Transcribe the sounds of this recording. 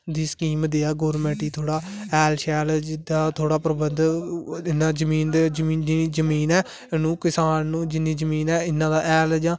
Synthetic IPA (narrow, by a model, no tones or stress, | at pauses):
d̪iːsə̥kiːmd̪eːaːɡoːɾmɛ̃ːʈiːt̪ʰoːɽaːɛːlʃɛːld͡ʒɪd̪aːt̪ʰoːɽaːpɾəbənd̪ɪnːãːd͡ʒəmiːnd̪ed͡ʒmiːiiːd͡ʒəmiːnɛː | nũːkɪsaːnːũːd͡ʒɪniːd͡ʒəmiːnɛːɪnːãːd̪aːʔɛːld͡ʒãː